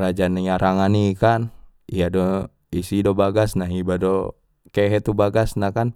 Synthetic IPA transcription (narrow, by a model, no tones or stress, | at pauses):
ɾad͡ʒanjaɾaŋanikanijadɔ | isidɔbaɡasnaɦibadɔ | kɛɦɛt̪ubaɡasnakan